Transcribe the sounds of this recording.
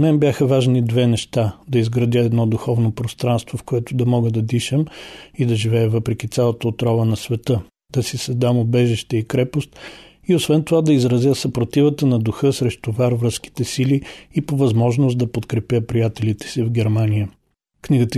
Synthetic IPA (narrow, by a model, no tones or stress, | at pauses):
mɛnbʲjaxəvaʒnid̪vɛnɛʃt̪ad̪ɐizɡɾɐd̪ʲəɛd̪nɔd̪uxɔvnopɾost̪ɾanst̪vofkoɛt̪ʊd̪ɐmɔɡəd̪ɐd̪iʃəmid̪ɐʒivɛɛvəpɾɛkʲit̪ʲalˠət̪əot̪ɾɔvənɐsvɛt̪ɤ | d̪̥ɐsisɐzd̪amobɛʒiʃt̪ɛikɾɛpost̪̚ | iosvɛnt̪ovad̪ɐizɾɐzʲjəsɐpɾot̪ivət̪ənɐd̪uxɤsɾɛʃt̪ʊvaɾvɾəsk̟i̥t̪ɛsiliːpovɐzmɔʒnʊst̪d̪ɐpot̪kɾɛpʲjəpɾijat̪ɛlit̪ɛ̥sivɡʲɛɾmanijə | kniɡət̪